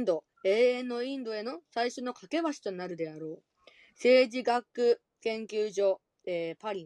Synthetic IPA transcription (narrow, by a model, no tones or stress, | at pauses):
nd̪o̞ | e̞ːẽ̞nːo̞ĩnd̪o̞e̞no̞saiɕo̞no̞kake̞βaɕi̥t̪o̞naɾɯ̟d̪e̞aɾo̞ː | se̞ːʑiɡakːɯ̟ | kẽ̞ŋkʲɨːʑo̞ | eːpaɾʲĩ